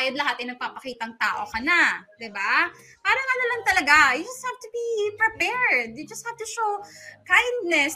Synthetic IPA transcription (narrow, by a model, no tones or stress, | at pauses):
jɐd̪lɐɦat̪ɐɪjnɐɡ̚papɐkiːt̪ɐŋt̪aːʔokɐnad̪ɪba | paːɾɐŋanɐlɐŋt̪ɐlɐɡajʊd͡ʒɐst̪̚hav̚t̪ʊbipɹɪpɛɹd̪̚jʊd͡ʒɐst̪̚hav̚t̪ʊʃokajnd̪̚nɛs